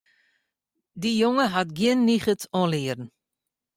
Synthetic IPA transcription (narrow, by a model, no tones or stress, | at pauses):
dijoŋəɦatɡjɪənːiχətʰɔ̃lɪːərn̩